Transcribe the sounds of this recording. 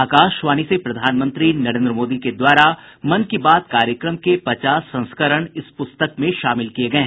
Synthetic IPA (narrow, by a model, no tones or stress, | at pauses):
aːkaːʃʋaːnisepɾɐd̪ʱaːnmə̃nt̪ɾinɐɾẽːnd̪ɾəmoːd̪iked̪waːɾamɐnkibaːd̪kaːɾjəkɾəmkepɐt͡ʃaːsːɐ̃nskəɾəɽ̃ɪspʊst̪əkmẽʃaːmɪlkieɡɐeɦ